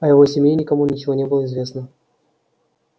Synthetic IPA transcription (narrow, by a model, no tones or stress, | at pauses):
ɐjɪvo̞sʲɪmʲjenʲɪkɐmunʲɪt͡ɕɪvo̞nʲebɨlˠəɪzvʲe̞snə